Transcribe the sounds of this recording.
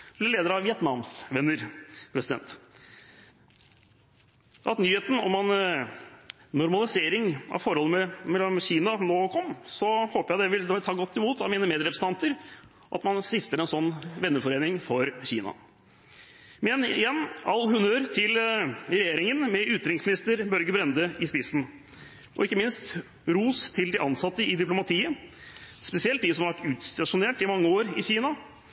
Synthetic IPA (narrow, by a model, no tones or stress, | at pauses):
blɪleːd̪əɾɑʋɪɛt̪nɑːmsʋɛnːəɾpʰɾɛsɪd̪ɛ̰nt̪ | ʔɑt̪nyːheːt̪n̩ɔ̰mɑn | nʊɾmɑlɪseːɾɪŋɑ̰ʋfɔɾɔlːəmɛmɛlːɔmçiːnɑnoːkʰɔmːsɔhoːpəjæɪd̪ɛʋɪlt̪ʰɑːɡɔt̪ʰːɪmuːt̪ɑʋmiːnəmeːd̪ɾɛpɾsəɑnt̪əɾ | ɔʔɑ̰t̪mɑnsɪft̪əɾɛnsɔnːʋɛnːəfɔɾeːnɪŋfɔɾçiːnɑ̰ | mɛnɪjɛnːɑlːhʉnəəɾt̪ʰɪlɾɛjeːɾɪŋənmɛʔʉt̪ːɾɪŋsmɪnɪst̪əɾbœɾɡəbɾɛnd̪əɪspɪsn̩ | ʔɔ̰ɪkːəmɪnst̪ | ɾuːst̪ʰɪld̪ɪʔɑnsɑt̪ːəɪd̪ɪplʊmɑt̪ʰiːə | spɛsɪɛlt̪̚d̪ɪsɔmɑʋæʈːʉːt̪st̪ɑʂʊneːʈɪmɑŋːəoːɾɪçiːnɑ